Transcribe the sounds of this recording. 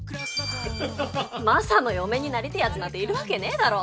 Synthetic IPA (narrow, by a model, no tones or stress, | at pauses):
kɯ̟ɾasima | masanojo̞me̞ɲ̟inaɾʲit̪eiat͡sɨmat̪ːeiɾɯ̟βake̞ne̞ːd̪aɾo̞ː